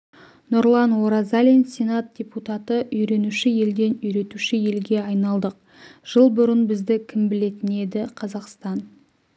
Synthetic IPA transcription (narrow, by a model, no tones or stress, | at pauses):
noɾlˠɑnwoɾazalʲinsʲe̞nat̪̚d̥ʲe̞put̪at̪əʔʏjɾe̞nuʃɪje̞ld̪e̞nʏjɾe̞t̪uʃɪje̞lɡʲe̞ɑjnɑlˠd̪əq̚ | ʒ̥əlˠbʊɾənbɪzd̪ɪkʲʰɪmbɪle̞t̪ɪne̞d̪ɪqʰɑzɑqst̪ɑn